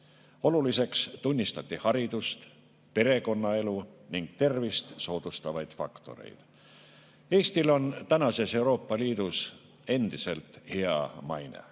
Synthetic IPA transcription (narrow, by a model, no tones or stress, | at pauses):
o̞lulise̞kst̪unʲːist̪ɑt̪ʲːˑihɑɾid̪̥ust̪ | pe̞ɾe̞ko̞nːɑe̞luniŋɡ̥t̪e̞rvist̪so̞ːd̪̥ust̪ɑvɑjd̪̥fɑ̰kt̪o̞̰ɾḛjd̪̥ | e̞ːst̪ilo̞nt̪ænɑse̞se̞wɾo̞ːpːˑɑliːd̪̥us | e̞nd̪̥ise̞lt̪heɑ̰mɑ̰jnḛ